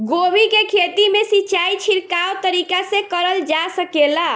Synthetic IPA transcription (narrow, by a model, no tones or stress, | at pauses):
ɡobikekʰet̪imesiːt͡ʃait͡ʃʰiɾkaot̪əɾikasẽkəɾəld͡ʒasəkela